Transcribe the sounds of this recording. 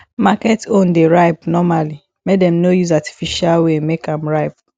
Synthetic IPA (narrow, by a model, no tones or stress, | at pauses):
makɛtõndeɹaɪpnɔmali | mek̚dɛ̃mnojuzati̥fiʃalwemekãmɹaɪp